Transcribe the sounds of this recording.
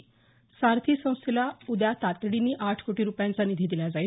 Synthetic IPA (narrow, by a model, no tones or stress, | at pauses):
saɾt̪ʰiːsə̃w̃st̪ʰilaud̪jat̪at̪ɽiniːʔaʈʰkoʈiːɾupjãnt͡sanid̪ʱiːd̪ilad͡zai